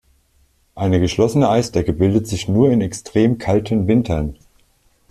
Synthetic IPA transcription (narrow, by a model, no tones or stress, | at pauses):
ʔaɪnəɡəʃlɔsənəʔaɪstɛkəbɪldətz̥ɪçnuːɐɪnɛkstʁ̥eːmkʰaltʰənvɪntʰɐn